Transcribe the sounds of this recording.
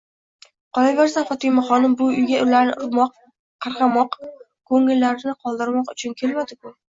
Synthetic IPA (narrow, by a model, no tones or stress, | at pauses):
qɒlaveɾsafɒt̪ʰɪmaχɒnɪmbʊʊjɡʲaʔʊlaɾnɪʔʊɾmɒq | qʰɑɾqɑmɒq | kʰɵŋɪlːaɾɪnɪqʰɒlˠd̪ɪɾmɒqʊt͡ʃʰʊnkʲʰe̞lmad̪ɪkʰʊ